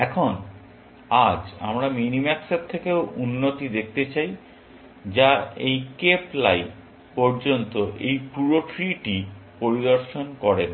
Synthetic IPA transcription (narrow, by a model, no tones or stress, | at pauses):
ɛkʰon | ad͡ʑa̰mɾaminimɛkset̚t̪ʰːekeounːot̪id̪ek̚ʰt̪et͡ɕaj | d͡ʑaejkepla̰j | pɔɾd͡ʑont̪oʔejpuɾoʈɾiʈipoɾid̪oɾʃonkɔɾen